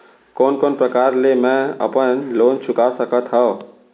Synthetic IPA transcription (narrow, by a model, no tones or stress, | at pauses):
konkonpɾəkaɾlemẽə̰pənlont͡ʃʰukasəkət̪ɦəo